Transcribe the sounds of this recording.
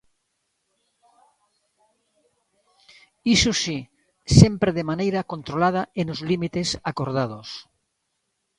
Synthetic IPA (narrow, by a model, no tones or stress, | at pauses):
isusi | sempɾeðemanejɾakont̪ɾolað̞aenozlimit̪esakoɾð̞að̞os